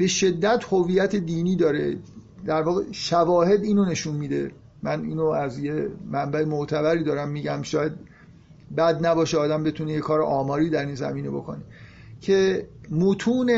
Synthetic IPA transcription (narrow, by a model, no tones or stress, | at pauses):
b̥e̞ʃe̞d̪ːæt̪ʰhoviːjæt̪ʰed̪iːniːd̪ɒːɾḛd̪æɾvɒːɣeʃævɒːhe̞d̪iːnone̞ʃunmiːd̪ḛ | mænḭːnoæzjemæmbæemoʔt̪ʰæbæɾiːd̪ɒːɾæmːiːɟæmʃɒːjæd̪̚ | bæd̪næbɒːʃeɒːd̪æmbe̞t̪ʰunejekʰɒːɾeʔɒːmɒːɾiːd̪æɾiːnzæ̰miːne̞bokʰo̰ne | cʰemut̪ʰuːne